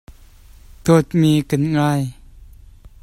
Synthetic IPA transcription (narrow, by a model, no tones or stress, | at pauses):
t̪ʰot̪̚miːkɨnŋaːj